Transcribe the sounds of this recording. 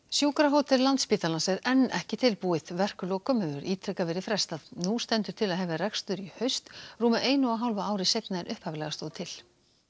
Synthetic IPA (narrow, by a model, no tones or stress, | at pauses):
sjuːkɾaɦowt̪ʰɛllant̪spiːt̪alansɛðɛnːɛhcɪt̪ʰɪlpuːɪð̥vɛr̥kʏlɔɣkʰœmœːðʏɾʔiːt̪ʰɾɛkavɛːɾɪfɾɛst̪aðnust̪ɛnt̪ʏɾ̥t̪ʰɪlaðɦɛvɪrɛkst̪ʏɾihœɥst̪ruːmaʔeːjnʏawɦawlvaaːwɾɪsejt̪naðɛnʔʏhphaːvɪlɛɣast̪ɔːðt̪ʰɪl